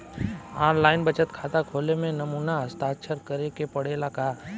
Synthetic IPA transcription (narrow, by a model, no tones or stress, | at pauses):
aːɾlaːɪnbət͡ʃət̪kʰaːt̪akʰoːlemẽnɐmuːnaəst̪aːtːʃʰəɾkɐɾekepɐɽeːlaka